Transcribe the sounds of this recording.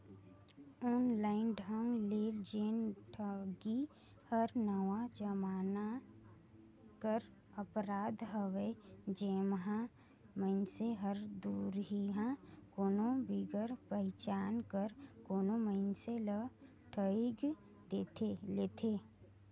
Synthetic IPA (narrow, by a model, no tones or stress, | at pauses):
ɔːnlaːɪnɖʱə̃ŋɡleːld͡ʒeːnʈʰəɡi | həɾnəʋad͡ʒəmaːna | kəɾ | əpɾaːd̪ʱɦəʋed͡ʒeːmɦã | məɪnseɦəɾd̪uːɾɦiɦãkoːnõbiɡəɾpəɪt͡ʃaːnkəɾkoːnoməɪnselə | ʈʰəiɡ | d̪eːt̪eleːt̪ʰe